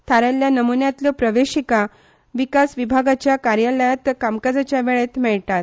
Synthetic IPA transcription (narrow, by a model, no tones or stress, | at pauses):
t̪ʰaɾaljanəmunjat̪lɔpɾəʋeɕika | ʋikasʋibʱaɡat͡ɕjakaɾjələjat̪kamkad͡zat͡ɕjaʋeɭet̪mɛɭʈat̪